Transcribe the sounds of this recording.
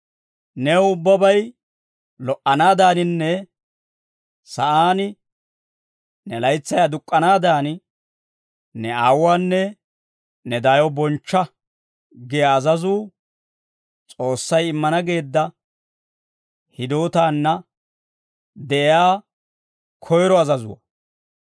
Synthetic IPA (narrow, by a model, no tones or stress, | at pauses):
nɛwʊbːɐbɐj | lɔʔɐnaːd̪aːnɪnːɛ | sɐʔaːnɪ | nɛlɐjt͡sːɐjad̪ʊkʼːɐnaːd̪aːnɪ | nɛaːwːaːnːɛ | nɛd̪ajɔbɔnt͡ʃːɐ | ɡɪjɐːzɐzuː | t͡sʼoːsːɐjɪmːɐnɐɡe̞ːd̪ːɐ | hɪd̪o̞ːt̪aːnːɐ | d̪ɛʔɪaː | kʰɔjɾɔɐzɐzʊ̰wɐ̰